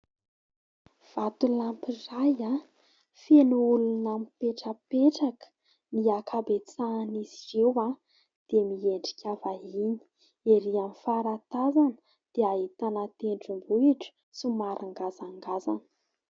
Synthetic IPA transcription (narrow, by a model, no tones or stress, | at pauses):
v̥at̪ulampiraja | fenuulunamipeʈ͡ʂəpeʈ͡ʂakə̥ | niakʰabet͡sanizirewa | d̪̥emieɳɖ͡ʐi̥kʲavaɦini̥ | eɾiamifaɾat̪azanə̥ | d̪̥eaɦit̪anat̪eɳɖ͡ʐimbuiʈ͡ʂə̥ | simaɾʔaŋɡazaŋɡaza̰nə̥